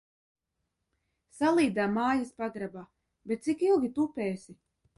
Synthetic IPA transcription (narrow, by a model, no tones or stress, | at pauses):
salˠiːd̪aːmːaːjaspaɡɾabaː | bet̪̚t̪sikilˠɡʲit̪upɛːsi